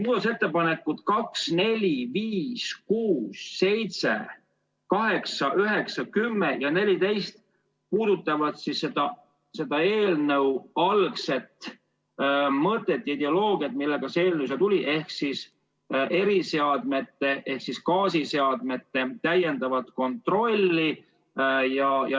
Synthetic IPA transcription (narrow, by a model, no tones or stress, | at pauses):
muːd̪ɑt̪set̪ːe̞pɑne̞kːˑut̪kɑksne̞lʲiviːskuːsːe̞jt̪se̞̰ | kɑɦe̞ksɑʔyɦeksɑkymːejɑne̞lʲit̪e̞jst̪ | puːd̪ut̪ːˑɑvɑt̪sisːe̞d̪̥ɑ | se̞d̪̥ɑe̞ːlnəwɑlkse̞t̪ | mɤt̪ːˑe̞t̪ːˑjɑid̪eo̞lo̞ːɡiɑt̪̚milːe̞ɡ̥ɑseeːlnews̬et̪ulʲiʔe̞hksis | ʔe̞ɾise̞ɑd̪me̞t̪ːe̞ʔe̞hksiskɑːs̬iseɑd̪̥̚me̞t̪ːe̞t̪æje̞nd̪̥ɑvɑt̪ko̞nt̪ˑro̞lʲːi | jɑjɑ